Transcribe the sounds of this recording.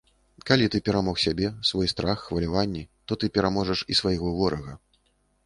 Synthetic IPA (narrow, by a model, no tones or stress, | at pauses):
kalʲit̪ɨpʲɛɾamɔxsʲabʲɛsvɔjst̪ɾaxːvɐlʲavanʲːɛt̪ɔt̪ɨpʲɛɾamɔʐɐʂisvajɣɔvɔɾʔɐɣɐ